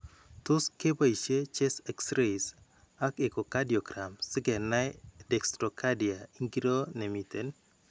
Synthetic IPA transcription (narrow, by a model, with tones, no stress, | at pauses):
tʊ˦ske˦pa˦i˨ʃe˦t͡ʃe˦sɛ˨ksɾes | a˦ke˨ko˨ka˦di˨o˨ɡɾa˨msɪ˦ɡɛ˨na˦dɛ˨kst̪ɾo˨ka˦di˨a˨i˦ŋɡi˦ɾo˦ne˨mi˨te˦n